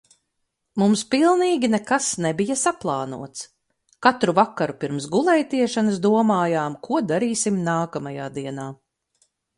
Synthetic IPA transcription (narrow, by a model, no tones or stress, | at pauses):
mumspilˠniːɡʲinɛkasnɛbijɐsaplˠɑːnṵɔt̪s | kat̪ɾuvakːaɾupiɾmsɡulˠɛjt̪iɛʃanɐs̬d̪uɔmaːjaːmkʰuɔd̪aɾiːsimnaːkamajaːd̪iɛnaː